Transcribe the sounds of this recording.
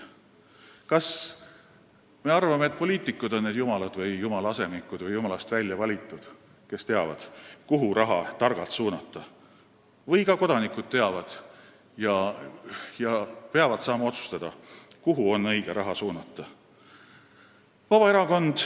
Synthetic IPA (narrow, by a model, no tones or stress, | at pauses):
kɑs | me̞ɑrvɑmeːt̪̚po̞lʲiːt̪ˑikːˑud̪o̞nːed̪̥jumɑlɑd̪̥vɤjjumɑlɑɑse̞mikud̪̥vɤjumɑlɑst̪vælʲjɑvɑlʲit̪ˑːud̪̥ | ke̞st̪e̞ɑvɑ̰d̪̥kuɦuɾʔɑɦɑ̰t̪ɑrɡ̥ɑlt̪suːnɑt̪ˑːɑ | vɤjkɑko̞d̪̥ɑnikːˑud̪̥̚t̪e̞ɑvɑd̪̥ | jɑ | jɑpe̞ɑvɑd̪̥sɑːmɑo̞t̪su̥st̪ɑd̪̥ɑkuɦuo̞nːɤjɡ̥eɾʔɑɦɑsuːnɑt̪ːˑɑ | vɑb̥ɑe̞ɾɑko̞nd̪̥